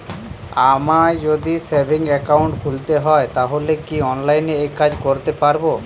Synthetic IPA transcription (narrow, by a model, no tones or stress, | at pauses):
amad͡ʑod̪isebʱiŋɛkawɳʈkʰult̪eɦɔet̪aɦolekiɔnlajneejkad͡ʑkoɾt̪epaɾbo